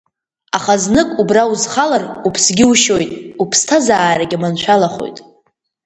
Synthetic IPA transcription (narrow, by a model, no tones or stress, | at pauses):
aχaznɨkʼubrauzχalarupʰsɡʲɪuʃo̞jtʼupʰstʰazaːɾaɡʲamant͡ʃʷʰalaχo̰jtʼ